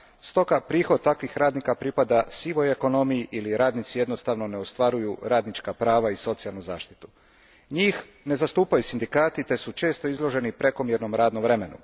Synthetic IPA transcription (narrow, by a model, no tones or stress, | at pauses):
st̪o̞kapɾiːxo̞d̪̚t̪akʋixɾaːd̪nikapɾipad̪asiːʋo̞je̞ko̞no̞mijiʔiliɾaːd̪nit̪sije̞d̪no̞st̪aʋno̞ne̞o̞st̪ʋaɾujuɾaːd̪nit͡ʃkapɾaːʋaiso̞t̪sijalnuza̰ːʃt̪i̥t̪u̥ | ɲiːx | ne̞zast̪uːpajusind̪ikaːt̪it̪e̞sut͡ʃe̞ːst̪o̞izlˠo̞ʒe̞nipɾe̞ko̞mjeɾno̞mɾaːd̪nomʋɾe̞me̞nṵ